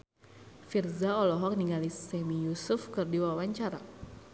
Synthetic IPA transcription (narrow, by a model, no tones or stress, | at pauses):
firzaɔlɔɦɔk̚niŋɡalisɛmijusʊfkɨrdiwawaɲt͡ʃaɾa̰